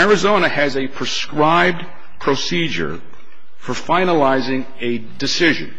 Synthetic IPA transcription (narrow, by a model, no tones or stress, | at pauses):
ɛɹɨzõʊ̃ñɨɨzɨpʰɹ̥ɨskɹaɪb̚ | pʰɹ̥osid͡ʒə̰˞ | fə˞fãɪ̃nəlaɪzɪ̃ŋ | ɨ | dɨsɪʒɨ̰̃n